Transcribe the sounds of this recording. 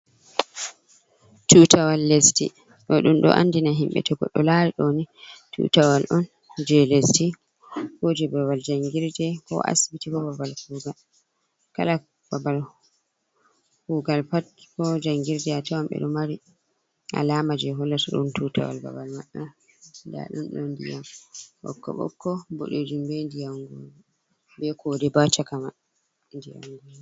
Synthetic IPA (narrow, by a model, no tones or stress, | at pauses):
tutʰawalːesti | ɗɔɗunɗɔ̰ʔa̰ndinaɦimɓɛ̰tʰɔɡɔɗːɔlaɾiɗonitʰṵtawalʔɔn | d͡ʒɛlesti | hod͡ʒɛbabald͡ʒaŋɡiɾdɛkɔ̰ʔa̰sbitikɔbabalkuːɡal | kala | b̥abal | huɡalpatkɔd͡ʒaŋɡiɾdɛatawamɓɛ̰ɗɔmaɾi | ʔa̰lamad͡ʒɛɦɔlːataɗɔ̰ntuta̰wa̰lba̰balmaɗa | nda̰ɗɔ̰nɗɔndḭjamɓɔ̰kːɔ̰ɓɔ̰kʰːɔbo̰ɗod͡ʒimbɛndijaŋɡɔnu | bɛkʰɔdɛbat͡ʃakama | ndija̰ŋɡɔnu